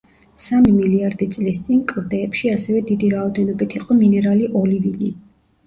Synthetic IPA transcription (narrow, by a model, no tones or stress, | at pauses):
samimiliaɾd̪it̪sʼlist̪sʼinkʼɾd̪ɛːpʃiasɛvɛd̪id̪iɾaɔd̪ɛnɔbit̪ʰiqʼɔminɛɾaliʔɔlivini